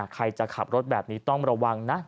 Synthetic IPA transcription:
kʰa˧jt͡ɕa˨˩kʰa˨˩p̚ɾo˦˥t̪̚bɛː˨˩p̚niː˦˥t̪ɔ˥˩ŋɾa˧wa˧ŋna˦˥

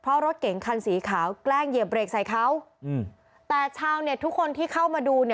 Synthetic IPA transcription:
pʰɾɔ˦˥ɾo˦˥t̪̚ke˩˦ŋkʰa˧nsiː˩˦kʰaː˩˦wklɛː˥˩ŋje˨˩p̚ɾeː˨˩k̚sa˨˩jkʰa˦˥w | t̪ɛː˨˩t͡ɕʰaː˧wni˥˩ət̪ʰu˦˥kʰːo˧nt̪ʰiː˥˩kʰa˥˩wmaː˧duː˧ni˥˩

